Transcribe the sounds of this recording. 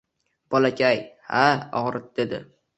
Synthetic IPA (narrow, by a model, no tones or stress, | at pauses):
b̥ɒlakʲʰajhaɒ̰ʁɾɪt̪̚d̪̥e̞d̪ɪ̰